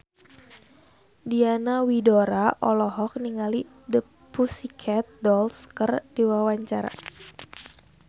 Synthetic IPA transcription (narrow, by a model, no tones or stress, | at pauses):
dianawidɔɾaʔɔlɔɦɔk̚niŋali | də | pusikʰɛt̪̚dɔlskərdiwawaɲt͡ʃaɾa̰